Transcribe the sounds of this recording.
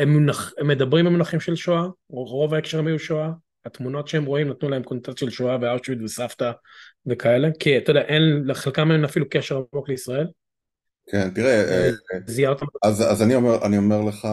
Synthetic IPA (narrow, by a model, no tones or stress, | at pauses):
emːunaχemːed̪abʁimamunaχimʃelʃoa | ʁo̞vaekʃeʁmijuʃoa | at̪muno̞t̪ʃeemʁo̞imnat̪nulaemkontat̪ʃelʃoavealʃvid̪vesaft̪a | ve̞kae̞le̞kiat̪od̪ɛaʔenleχelkamenafilukeʃeʁamo̞kleisʁae̞l | kʰent̪iʁeeziat̪aaza̰zanioeʔa̰niomeʁleχa